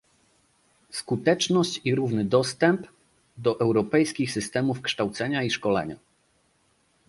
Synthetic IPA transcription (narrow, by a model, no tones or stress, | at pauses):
skut̪ɛt͡ʂnɔɕt͡ɕiɾuvnɘd̪ɔst̪ɛmp | d̪ɔʔɛwɾɔpɛjskʲixsɘst̪ɛmufkʂt̪awt̪sɛɲaiʂkɔlɛ̰ɲa̰